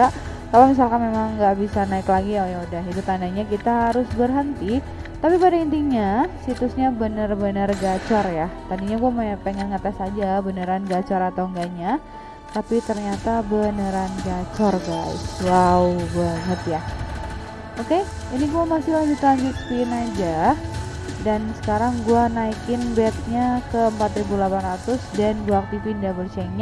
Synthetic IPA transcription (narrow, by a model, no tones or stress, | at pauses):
aʔ | kalamis̬alkanmemaŋɡaʔbisanaɪklaɡijaojaudaɦit̪ut̪andaɲakit̪aɦaɾʊsbərɦənt̪i | t̪apipadaint̪iɲasit̪ʊsɲabənərbənərɡat͡ʃɔrjat̪adiɲaɡuampeŋɛnŋət̪asad͡ʒabənəɾanɡat͡ʃɔɾat̪awŋɡaʔɲa | t̪apit̪ərɲat̪abənəɾanɡat͡ʃɔrɡaɪ̰swaubaŋət̪ja | oke | iniɡuamasɪlahɡit̪aɡikt̪inad͡ʒa | dansə̥kaɾaŋɡuanaikɪnbɛt̪̚ɲakəəmpat̪ɾibulapanrat̪ʊsdanɡuaːk̚t̪ifindiabəlt͡ʃɛŋɲ